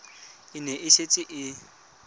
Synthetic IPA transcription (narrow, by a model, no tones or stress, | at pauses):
ɪnɛʔɪʃet͡sʼɪʔɪ